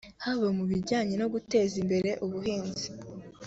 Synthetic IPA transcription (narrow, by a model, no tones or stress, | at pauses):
haβamuβiɾɟaːɲe̞no̞ɡute̞ːzimbe̞ɾe̞ʔuβuhiːnzi̥